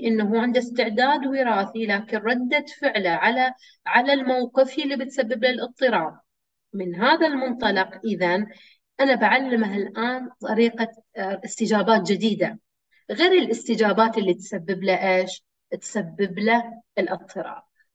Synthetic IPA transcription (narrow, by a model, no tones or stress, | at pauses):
ʔɪnːaɦuʕɪnd̪ast̪ɪʕd̪aːd̪wɪɾɑːθilaːkɪnɾˤɑd̪ːat̪fɪʕlaʕala | ʕalalmawqɨfʔlːibɪt̪sabːɪblalʔɨt̪ˤːɨɾˤɑːb | mɪnɦaːðalmʊnt̪ˤɑlɑqʔɪðan | ʔanabaʕalːɪmaɦɪlʔaːnt̪ˤɑɾiːqa | ʔɪst̪ɪd͡ʒaːbaːt̪̚d͡ʒɪd̪iːd̪a | ɣeːɾɪlʔɪst̪ɪd͡ʒaːbaːt̪ʔɪlːit̪sabːɪblaʔeːʃ | t̪sabːɪblaɪlʔɨt̪ˤːɨɾˤɑ̰ːb